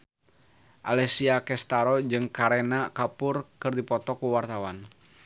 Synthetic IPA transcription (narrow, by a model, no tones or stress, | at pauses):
ʔa̰lɛsiakɛst̪aɾɔd͡ʒɨŋkaɾɛnakapʊrkɨrdipɔt̪ɔkuwart̪awan